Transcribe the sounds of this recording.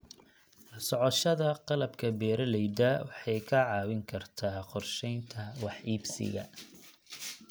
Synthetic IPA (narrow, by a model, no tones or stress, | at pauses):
sɔʕɔʃɐðɐqɑlɐbkʰɐbɛːɾɐlɛjd̪ɐwɑħɑjkʰɐʕɑːwɪŋkʰɐrt̪ʰaːqɔrʃɛjnt̪ʰɐwɑħiːbsɪ̰ɣɐ̰